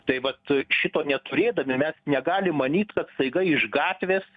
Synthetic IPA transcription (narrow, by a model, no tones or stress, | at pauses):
t̪ɐɪʋɐt̪ʃʲɪt̪oːnʲɛt̪ʊɾʲeːd̪ɐmʲɪmʲɛsnʲɛɡɑːlʲɪmːɐnʲiːt̪kɐt̪st̪ɐɪɡɐɪɪʒɡɑːt̪ʲʋʲeːs